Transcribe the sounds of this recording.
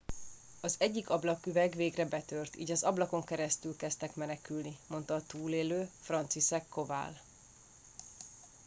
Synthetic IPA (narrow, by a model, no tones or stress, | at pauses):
ɒzɛɟːikɒblɒkyvɛɡveːɡrɛbɛt̪ørt̪ḭːɟɒzɒblɒko̞ŋkɛɾɛst̪ylkɛst̪ɛkmɛnɛkylnimo̞nt̪ɒːt̪uːleːløːfrɒnt̪siʃɛkːo̞va̰ːl